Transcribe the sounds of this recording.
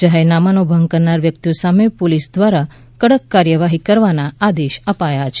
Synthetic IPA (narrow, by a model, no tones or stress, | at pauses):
d͡ʒaɦenamanobʱəŋɡ̚kəɾnaɾʋjək̚t̪ijosamepolisd̪ʋaɾa | kəɽəkːaɾjəʋaɦikəɾʋanaad̪eʃəpajat͡ʃʰ